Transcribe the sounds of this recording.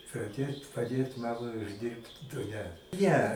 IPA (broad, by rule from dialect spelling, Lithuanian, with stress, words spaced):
pɐˈdʲeːt pɐˈdʲeːt ˈmɑːmɐɪ ʊʒʲˈdʲɪrpt dʊ ˈnʲɛ ˈnʲɛ